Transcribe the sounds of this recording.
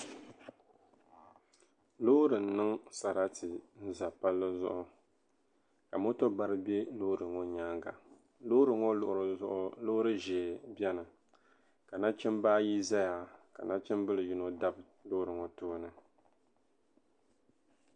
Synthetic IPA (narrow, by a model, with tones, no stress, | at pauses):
lo˦ɾɨ˨n̩˨˦nɨ˦ŋsa˨ɾa˦tʰɨ˨n̩˦za˨pa˦lːɨ˦zʊ̰˦ʔʊ˦ | ka˨mo˦to˦ba˦ɾɨ˦be˦lo˦ɾɨ˨ŋɔ˦ɲaː˦ŋɡa̰˨ | lo˦ɾɨ˨ŋo˦lʊ˦˨ʔʊ˨ɾʊ˦ʔlo˦ɾɨ˦ʒɛː˨bɛ˦nɨ˨ | ka˨na˦t͡ʃɛ˦mbaː˦ji˦za˦ja˨ka̰˨na˦t͡ʃɛ˦mbɨ˦lɨ˨ji˦no˦da˦b | lo˦ɾɨ˨ŋɔ˨toː˦nɨ˨